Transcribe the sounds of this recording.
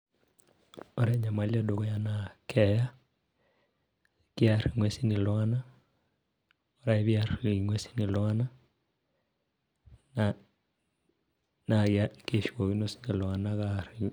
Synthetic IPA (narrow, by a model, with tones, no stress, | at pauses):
o˦ɾɛɲa˨ma˨˦li˦ɛ˦do˨kɔ˦ja˨nakʰɛja˦ | kjaɾiŋwɛsi˦ni˨lwa˦na˦ | oɾa˦e˦βjari˨iŋwe˦si̥˦ni˨lwa˦na˦ | na | na˨ake˨ʃo˨ɣi˦no˦si̥ni˨lwa˨naɣaɾi˨